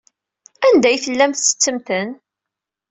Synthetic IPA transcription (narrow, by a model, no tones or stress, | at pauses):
ænd̪æjθəlːæmθt͡sːə̥t͡sːəmθən